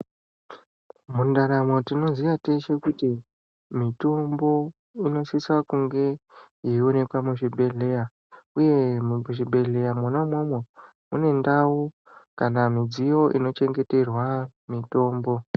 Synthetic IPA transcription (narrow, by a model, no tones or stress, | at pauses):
mundaɾamo̞tino̞zijateʃe̞kuti | mito̞mbo̞ | ino̞ʃisakuŋɡe̞jiunepamuʐibʱe̞ɮe̞ja | uje̞mʐibʱe̞ɮe̞jamonamomwe | une̞ndau | kanamid͡zijo̞ʔḭno̞t͡ʃe̞ŋɡe̞te̞rwamito̞ːmbo̞